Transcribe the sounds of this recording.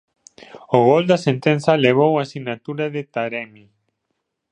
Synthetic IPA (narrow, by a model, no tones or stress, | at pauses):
oɣɔld̪asent̪ensaleβ̞owasiɣnat̪uɾaðɪt̪aɾɛmi